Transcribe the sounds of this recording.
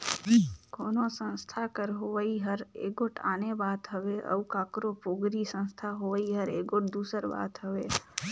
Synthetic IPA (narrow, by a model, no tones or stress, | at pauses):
koːnosə̃nst̪ʰakəɾɦoʋəiɦəɾḛːɡoʈʰaːnebaːt̪ɦəʋeʔə̰ukãːkɾopoːɡɾisə̃nst̪ʰaɦoʋəiɦəɾḛːɡoʈd̪uːsəɾba̰ːt̪ɦəʋeː